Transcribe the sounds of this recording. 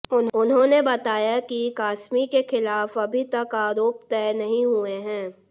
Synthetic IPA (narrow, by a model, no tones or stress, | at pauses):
ʊnʊnɦõnebɐt̪aːjakikaːsmikexɪlaːfɐbʱit̪ɐkaːɾoːpt̪ɛːnɐɦĩɦueɦɛ̃ː